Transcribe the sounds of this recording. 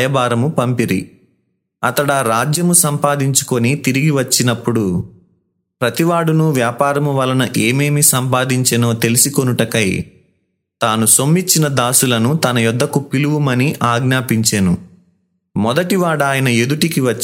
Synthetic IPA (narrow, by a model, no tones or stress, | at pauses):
jɐbaːɾɐmupɐmpiɾḭ | ɐt̪ɐɽɐːɾaːd͡ʒjɐmusɐmpaːd̪iɲt͡ʃu̥ko̞nit̪iɾiɡiʋɐt͡ʃːinɐpːuɽu | pɾɐt̪iʋaːɽunuʋjaːpaːɾɐmuʋɐlɐnɐʔe̞ːme̞ːmisɐmpaːd̪iɲt͡ʃeno̞ːt̪e̞lisiko̞nuʈɐkɐj | t̪aːnusomːit͡ʃːinɐd̪aːsulɐnut̪ɐnɐjɔd̪ʱːɐkupiluʋumɐniʔaːɡnaːpiɲt͡ʃeːnṵ | mɔd̪ɐʈiʋaːɽaːjɐnɐe̞d̪uʈikiʋɐt͡ʃː